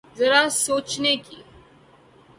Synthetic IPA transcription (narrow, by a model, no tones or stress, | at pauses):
zɐɾasoːt͡ʃnekiː